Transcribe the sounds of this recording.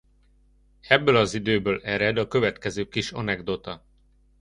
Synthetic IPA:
ɛbːøːlɒzid̪øːbøːlɛɾɛd̪ɒkø̞vɛt̪kɛzøːkiʃɒnɛɡd̪ot̪ɒ

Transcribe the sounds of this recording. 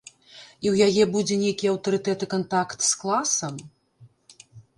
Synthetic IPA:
iwjajɛbud͡zʲɛnʲejkʲiɐwt̪ɐɾɨt̪ɛt̪ɨkant̪akt̪sklˠasɐm

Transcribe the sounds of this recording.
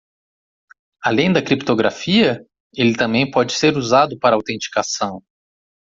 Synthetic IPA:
alẽj̃d̪ɐkɾipt̪oɡɾa̰fiɐ | elɪt̪ɐ̃mbẽj̃pɔd͡ʒɪ̥seɾuzad̪ʊpaɾɐawt̪ẽnt͡ʃi̥kasɐ̃w̃

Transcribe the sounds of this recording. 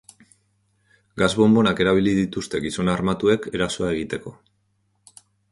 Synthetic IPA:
ɡazβo̞mbo̞nake̞ɾaβ̞iliðit̪ust̪e̞ɣiso̞naɾmat̪ue̞ke̞ɾaso̞ae̞ɣ̞it̪e̞ko̞

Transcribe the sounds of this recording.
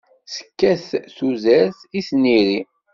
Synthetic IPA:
sə̥kːæθθuzæɾθisniɾi

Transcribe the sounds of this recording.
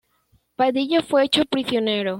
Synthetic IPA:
paðiʝofweet͡ʃopɾisjoneɾo

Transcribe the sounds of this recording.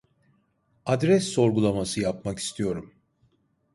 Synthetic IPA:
ad̪ɾɛsːo̞ɾɡulˠamasɯjapmaki̥st̪ʰijo̞ɾum

